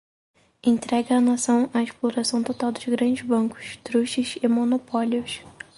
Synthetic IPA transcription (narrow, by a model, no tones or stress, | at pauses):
ẽnt̪ɾɛɡɐːnasɐ̃w̃aeʃploɾasɐ̃w̃t̪ot̪awd̪ʊzɡɾɐ̃nd͡ʒɪzbɐ̃kʊ̥ʃt̪ɾuʃɪzɪmonopɔljʊs